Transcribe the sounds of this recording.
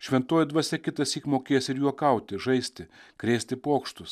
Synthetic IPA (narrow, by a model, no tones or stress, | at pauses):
ʃʲʋʲɛnt̪oːjɪd̪ʋɐsʲɛkʲɪt̪ɐsʲiːkmoːkʲeːjɛsʲɪɾjuːɔkɐʊt̪ʲɪʒɐɪsʲt̪ʲɪkɾʲeːsʲt̪ʲɪpoːkʃt̪ʊs